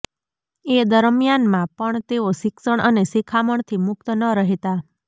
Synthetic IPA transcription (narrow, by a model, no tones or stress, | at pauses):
ed̪əɾmjanmãpəɳt̪eosɪksəɳʔənesikʰaməɳt̪ʰimʊk̚t̪ənəɾəɦet̪a